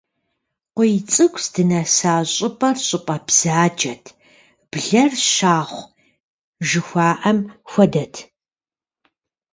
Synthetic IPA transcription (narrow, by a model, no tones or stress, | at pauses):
qʷɔjt͡sʼɨkʷsdɨnɐsaːɕʼɪpʼɐrɕʼʊpʼɐbz̥aːd͡ʒɐtʰ | b̥ɮɐrɕaːχʷ | ʒɨxʷaːʔɐmxʷɔdɐtʰ